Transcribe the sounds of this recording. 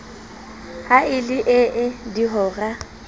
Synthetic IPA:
haɪlɪʔɪʔɪdiɦɔːra

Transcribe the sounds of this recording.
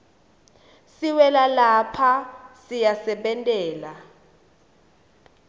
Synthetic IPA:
siwɛlalapʰasijasɛɓɛntʼɛːla

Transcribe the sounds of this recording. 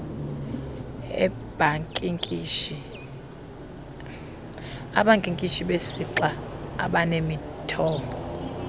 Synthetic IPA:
ɛb̥ʱaŋkʼkʼ | aɓaŋkʼiŋkʼit͡ʃʰiɓesiǁaa̰ɓanemitʰɔːmbʱɔ

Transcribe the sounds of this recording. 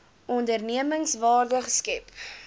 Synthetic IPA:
ɔndərniəməŋsvɑːrdəχskɛp

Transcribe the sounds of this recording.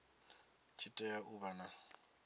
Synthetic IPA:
t͡ʃʰitʼɛjaʔubana

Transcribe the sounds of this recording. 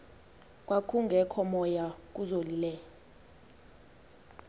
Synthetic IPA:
k̬ʼwakʰuŋɡʱɛkʰɔmɔjak̬ʼuzolilɛ

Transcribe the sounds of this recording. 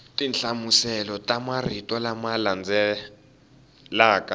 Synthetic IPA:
tʼinɬamusɛlɔtʼamaritʼɔlamaland͡zɛ | laːkʼa

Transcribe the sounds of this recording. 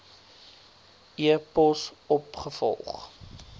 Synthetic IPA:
iəpɔsɔpχəfɔ̰lˠχ

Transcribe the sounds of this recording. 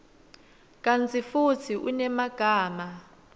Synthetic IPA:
k̬ʼant͡sʰifut͡sʰiʔṵnɛmaɡ̥ʱaːma

